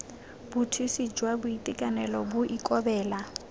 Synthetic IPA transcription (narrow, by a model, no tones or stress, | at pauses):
bʊtʰisid͡ʒwabʊitʼɪkʼanɛlɔbʊʔikʼɔbɛːla